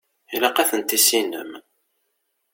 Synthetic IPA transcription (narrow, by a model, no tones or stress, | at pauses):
ilæqæθənt̪ːisinə̰m